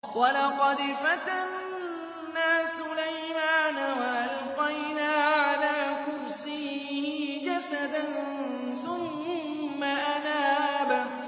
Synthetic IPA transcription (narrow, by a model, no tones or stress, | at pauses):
walɑqɑd̪fat̪anː | aːsʊlajmaːnawaʔalqajnaːʕalaːkʊɾsiːhɪd͡ʒasad̪an | θʊmː | aʔanaːba